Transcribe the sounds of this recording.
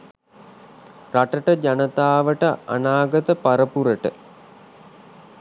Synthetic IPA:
raʈəʈəd͡ʒanət̪aːʋəʈəa̰naːɡət̪əpaɾəpuɾəʈə̰

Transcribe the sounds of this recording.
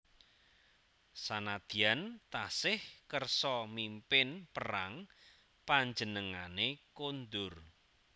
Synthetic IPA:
sanad̪̥i̤ant̪asɪhkərsɔmimpɪnpərɾaŋ | paɲd͡ʒənəŋanekond̪ʊr

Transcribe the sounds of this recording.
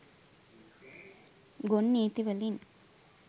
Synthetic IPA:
ɡonːeːt̪iʋɐlin

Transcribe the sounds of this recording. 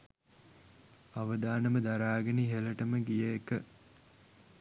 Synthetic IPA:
aʋəd̪aːnəməd̪aɾaːɡeniɦeləʈəməɡijəekə

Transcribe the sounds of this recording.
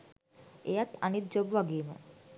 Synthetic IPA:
ejat̪anit̪̚d͡ʒobʋaɡiːmə̰

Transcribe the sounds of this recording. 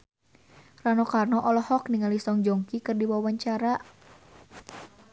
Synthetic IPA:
ranɔkarnɔʔɔlɔhɔkniŋalisɔŋd͡ʒɔŋkikɨrdiwawaɲt͡ʃaɾa

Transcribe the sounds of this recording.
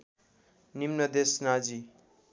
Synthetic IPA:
nimnʌd̪esnad͡zi

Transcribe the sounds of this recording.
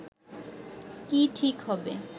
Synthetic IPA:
kiʈʰikɦɔbḛ

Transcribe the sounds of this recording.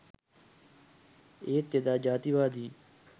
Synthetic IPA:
eːt̪ed̪aːd͡ʒaːt̪iːʋaːd̪iː

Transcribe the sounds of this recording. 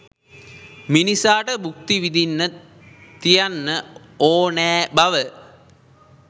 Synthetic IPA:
minisaːʈəbʱuk̚t̪iʋid̪inːə | t̪ijanːə | oːnɛːbɐʋə

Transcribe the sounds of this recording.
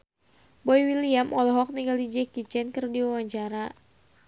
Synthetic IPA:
bɔiwiliamʔɔlɔɦɔk̚niɡalid͡ʒɛkit͡ʃɛnkərdiwawaɲt͡ʃaɾa

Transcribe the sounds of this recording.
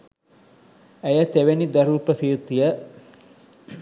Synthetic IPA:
æjət̪eʋenid̪ɐɾupɾəsiːt̪ːijə

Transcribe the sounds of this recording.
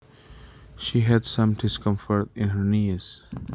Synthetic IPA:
ʃiːɦædsʌ̃mɖɪskʌ̃mfəɾtɪ̃nɦə˞niz̥

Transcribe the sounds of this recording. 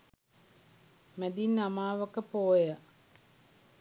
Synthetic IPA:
mæd̪inːamaːʋəkəpoːjə

